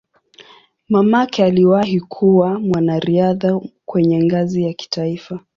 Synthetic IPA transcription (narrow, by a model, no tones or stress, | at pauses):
mamakɛaliwahikʰuwamwanaɾiaðakwɛɲɛŋɡazijaki̥taifa